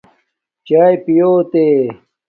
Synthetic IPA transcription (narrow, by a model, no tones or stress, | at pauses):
t͡ɕaːjpijoːt̪eː